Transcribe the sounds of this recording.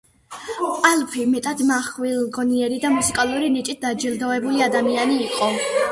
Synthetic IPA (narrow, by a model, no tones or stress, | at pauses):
alˠpʰimɛt̪ʼad̪maχwilɡɔniɛɾid̪amusikʼalˠuɾinit͡ʃʼit̪̚d̪ad͡ʒilˠd̪ɔvɛbuliad̪amianiːqʼɔ